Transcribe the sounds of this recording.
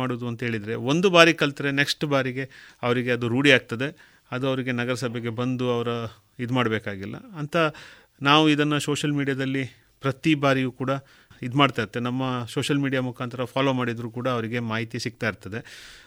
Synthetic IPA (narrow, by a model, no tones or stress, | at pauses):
aːɽuːd̪uɐnt̪ɐɦe̞ːɭid̪ɾe̞o̞nd̪ubaːɾikɐlt̪ɐɾene̞ksʈbaːɾiɡe̞ɐʋɐɾiɡe̞ɐd̪uɾuːɽiaːɡ̚t̪ɐd̪e̞ | ɐd̪uɐʋɐɾiɡe̞nɐɡɐɾɐsɐbʱjeɡe̞bɐnd̪uɐʋɐɾɐ | id̪maːɽbeːkaːɡilːɐ̰ɐnt̪ʰɐ | naːʋuid̪ɐnːɐsoːʃɐlmiːɽijaːd̪ɐlːi | pɾɐt̪ibaːɾijuːkuːɽɐ | id̪maːɖt̪aːiɾt̪ːenɐmːɐsoːʃɐlmiːɽijamukʰaːnt̪ʰɐɾɐpʰaːlo̞ːmaːɽid̪ɐɾuːkuːɽɐːʋɐɾiɡe̞maːɦit̪ijɐsik̚t̪aːjiɾt̪ɐd̪e̞